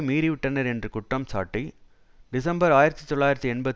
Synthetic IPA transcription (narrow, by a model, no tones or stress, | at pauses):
miːɾiʋɪʈːɐnɐɾɛndrɯkʊʈːɐmsa̰ːʈːi | ɖɪsɐmbɐɾaːjɪɾɐt̪ːɯt̪ɔɭːaːjɪɾɐt̪ːɯɛnbɐt̪